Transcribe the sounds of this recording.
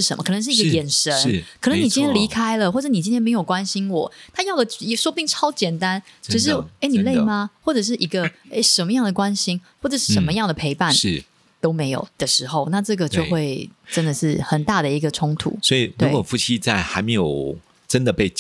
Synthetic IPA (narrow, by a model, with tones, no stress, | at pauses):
ɻ̩˥˩ʂə̰˧˦mə˧kʰn˧˦ŋʂ̬ɻ̩˥˩˧ɡə˧jɛ˨˩nʂə˧˦n˥kʰə˨˩nə˧˦ŋni˨˩t͡ɕĩ˦nt̪ʰjnli˧˥kʰa˥ɪlə˨xwɔ˥˩ʈ͡ʂɤ˧˥ni˨˩t͡ɕĩ˥nʰjɛ˥me˧˥jo˨˩ʊkwa˦˥nɕi˥nwɔ˨˩˦t̪ʰa˥jɑ˥˩ʊd̪ə˨i˧ʂwɔ˥pi˥˩ŋʈ͡ʂʰɑ˥ʊt͡ɕjɛ˨˩nt̪a˦nt͡ɕo˥˧ʊʂ̬ɻ̩˥˩e˥˩ny˨˩le˥˩ma˨˩xwɔ˥˩ʈ͡ʂɤ˨˩ʂ̬ɻ̩˥˩ʔi˧˥ɡə˧e˥˩ɪʂə˧˥nmə˧˦jɑ˥˩ŋd̪ə˩kwa˦nɕi˥nxwɔ˥˩ʈ͡ʂɤ˨˩ʂɻ̩˥˩ʂə˧˥nmə˧jɑ˥˩ŋd̪ə˩pʰe˧˥ɪpa˥˩nʂ̩˥˩ | t̪o˥ʊme˧˥ɪjo̰˨˩ʊd̪̥ə˩˨ʂɻ̩˧˥xo˥˧ʊna˥˧ʈ͡ʂɤ˥˩ɡə˩t͡ɕjo˥˧xwe˥˩ɪʈ͡ʂə˦nd̪ə˨ʂɻ̩˥˩xə˨˩nt̪a˥˩d̪ə˩i˧˥ɡə˧ʈ͡ʂʰʊ˥ŋt̪ʰṵ˨˩˦swɔ˧˥i˨˩lwe˦˥˩wɔ˨˩fu˥˩t͡ɕʰi˥t͡sa˥˩ɪxa˧˥ɪme˧˥ɪjo˨˩ʊ | ʈ͡ʂə˦nd̪ə˨pe˥˩ɪ